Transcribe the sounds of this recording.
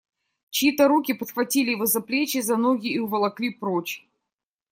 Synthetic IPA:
t͡ɕɪit̪əɾukʲɪpət̪xvɐtʲilʲɪvozɐplʲet͡ɕɪzɐnoɡʲɪːʊvɐlˠɐklʲipɾot͡ɕ

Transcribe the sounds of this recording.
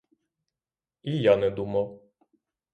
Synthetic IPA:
ijanɛd̪umɐw

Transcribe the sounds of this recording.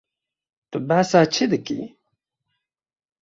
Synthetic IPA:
t̪əbːasat͡ʃːiðəkːḭ

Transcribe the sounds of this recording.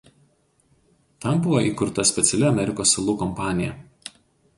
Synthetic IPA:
t̪ɐmbʊʋoʔiːkʊɾt̪ɐsʲpʲɛt̪sʲɛlʲɪɐmʲɛɾʲɪkoːsːɐlˠuːkɔmpɑːnʲɪjɛ̰

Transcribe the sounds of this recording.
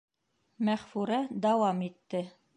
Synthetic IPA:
mæχfʉɾæd̪ɑwɑmit̪ːɘ

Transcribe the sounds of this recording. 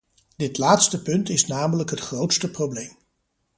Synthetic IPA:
dɪtlaːtstəpɵntɪsnaːmələkɦətχrowtstəprowblejm

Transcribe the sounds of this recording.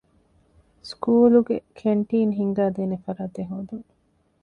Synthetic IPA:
skuːluɡekʰeɳʈiːnɦiŋɡaːd̪eːnefɐɾaːt̪eɦoːd̪uŋ

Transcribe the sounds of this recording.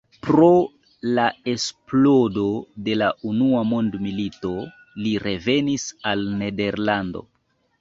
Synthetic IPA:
pɾo̞ | lae̞splo̞do̞de̞laʔunuamondmilito̞ | liɾʔe̞ve̞nisalne̞de̞ɾlando̞̰

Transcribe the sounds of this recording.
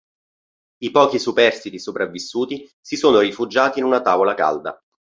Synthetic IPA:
ipɔːk̟isupɛrst̪it̪isopɾavːisːuːt̪i | sisoːnoɾifud͡ʒaːt̪iːnunat̪aːvolaka̰ld̪a̰

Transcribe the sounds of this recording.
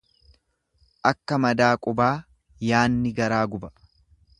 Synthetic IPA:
ʔɐkːɐmɐd̪aːkʼʊbaː | jaːnːɪɡɐɾaːɡʊbɐ̥

